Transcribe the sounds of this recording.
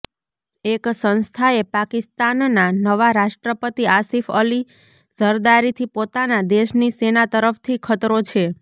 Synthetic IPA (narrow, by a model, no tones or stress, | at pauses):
eksə̃ñst̪ʰaepakist̪anːanəʋaɾaʃʈɾəpət̪iasifəli | zəɾd̪aɾit̪ʰipot̪anad̪eʃnisenat̪əɾəft̪ʰikʰət̪ɾot͡ʃʰe